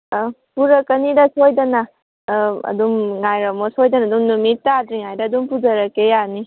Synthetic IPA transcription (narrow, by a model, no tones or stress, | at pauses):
puɾɐkːɐnidɐsojdɐnɐ | ɐ̰d̪umŋajɾɐmosojdɐnɐːd̪umnumitːadɾiŋajdɐːd̪umpuzɐɾɐkejani